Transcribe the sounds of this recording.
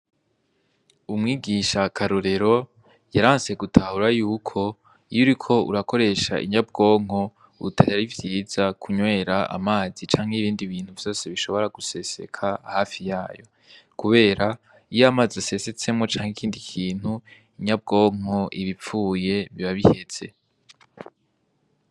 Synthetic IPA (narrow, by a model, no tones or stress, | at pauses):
umŋiːɡiʃakʰaɾuɾe̞ɾo̞ | jaɾaːnse̞ɡutʰahuɾajuːkʰo̞ | ijuɾikʰo̞ṵɾako̞ɾe̞ʃa̰ʔḭɲab̚ɡo̞ːŋ̥ɦo̞ | ṵtʰahaɾivjiːzakʰuɲwe̞ːɾaa̰maːzit͡ʃaːŋ̥heiβiːndiβiːn̥huvjo̞ːse̞βiʃo̞βo̞ɾaɡuse̞se̞̰kʰahaːfijaːjo̞̰ | kuβe̞ːɾa | ijamazase̞se̞t͡se̞mŋo̞t͡ʃaːŋekʰiːndikʰiːn̥hu | iɲab̚ɡo̞ːŋ̥ɦho̞ʔiβip͡fuːje̞βiβaβihez̥e̞̰